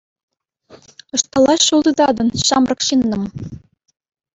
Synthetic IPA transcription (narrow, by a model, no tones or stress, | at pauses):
ɤ̆ʃt̪ɑlˠɑɕːulˠd̪ɤ̆d̪ɑd̪ɤ̆nɕɑmrɤ̆kɕinːɤ̆m